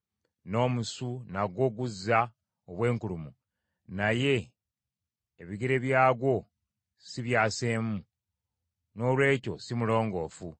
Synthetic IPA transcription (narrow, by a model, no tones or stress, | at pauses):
no̞ːmusunaɡo̞ɡuzːa | oβwe̞ːŋkulumu | naje̞ | βiɡeɾe̞βjaːɡwo̞ | siβjaːse̞ːmu | no̞lwe̞ːco̞̰simulo̞ːŋɡo̞ːfu